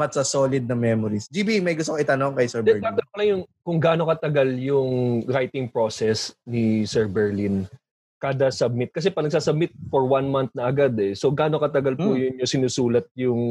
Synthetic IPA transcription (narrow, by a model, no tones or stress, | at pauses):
ɐt̪sasoːlɪd̪̚nɐmɛmoɾisd͡ʒibimɐjɡʊst̪okoʔɪt̪ɐnoŋkɐjsɛɹbd̪ɛɹd̪aːonpɐlɐŋjʊŋkʊŋɡaːno̞kɐt̪ɐɡaljʊŋɾajt̪ɪŋpɹo̞ːsɛsnɪsɛɹbɛɹlin | kad̪ɐsɐb̚mɪt̪̚kɐs̬ɛpɐnɐɡ̚saːsɐb̚mɪt̪̚foɹwanmant̪̚nɐʔɐɡad̪ɛso̞ɡaːno̞kɐt̪ɐɡalpujʊɲosɪnuːsuːlɐt̪̚jʊŋ